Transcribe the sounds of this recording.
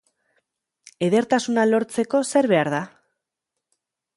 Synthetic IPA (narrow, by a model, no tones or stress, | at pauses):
e̞ðe̞ɾt̪asunalo̞ɾt͡se̞ko̞se̞ɾβe̞aɾða